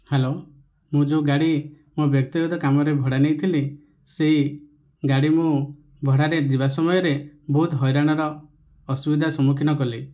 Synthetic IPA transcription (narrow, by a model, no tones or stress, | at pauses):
helo | mũd͡ʒoɡaɽi | mubjɔk̚t̪iɡɔt̪ɔkamɔɾebʱɔɽanejt̪ʰili | sei | ɡaɽimũ | bʱɔɽaɾed͡ʒiβasɔmɔjɔɾebɔɦut̪ɦɔjɾaɽ̃ɔɾɔː | subid̪ʱasɔmukʰinɔkɔli